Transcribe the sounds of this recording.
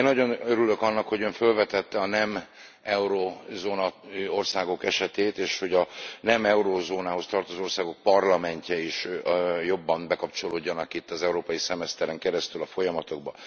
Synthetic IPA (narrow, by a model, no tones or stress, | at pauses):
enːɒɟo̞nøɾyløkɒnːɒkho̞ɟøɱfø̞lvɛt̪ɛt̪ːɛɒnɛm | ɛuɾoːzoːnɒo̞rsaːɡo̞kɛʃɛt̪eːt̪eːʃho̞ɟɒnɛmɛuɾoːzoːnaːɦo̞st̪ɒrt̪ozoorsaːɡo̞k̚pɒrlɒmɛɲcɛiʃjo̞bːɒmbɛkɒp̚t͡ʃo̞loːɟːɒnɒkit̪ːɒzɛuɾoːpɒjisɛmɛst̪ɛɾɛŋkɛɾɛst̪ylɒfo̞jɒmɒt̪o̞ɡ̚bɒ